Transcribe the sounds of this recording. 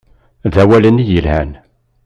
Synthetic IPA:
ðæwælənijəlhæ̰n

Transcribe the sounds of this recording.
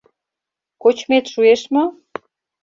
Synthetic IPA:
kot͡ɕmet̪ʃueʃmŏ

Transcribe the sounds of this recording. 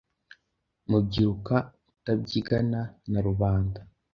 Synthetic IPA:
mub̚ɟiɾukautab̚ɟiɡananaɾuβaːnda

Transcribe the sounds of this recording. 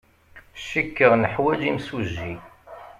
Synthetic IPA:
ʃːikːəʁnəħwæd͡ʒimsuʒːi

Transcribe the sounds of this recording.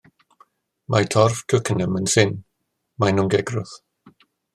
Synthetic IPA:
matʰɔrv̥kʰəkənəmənsɪn | manʊŋɡɛɡrʊθ

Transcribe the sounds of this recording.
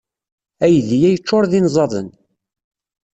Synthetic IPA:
æjðijæjət͡ʃːoɾðinzˤɑðˤə̰n

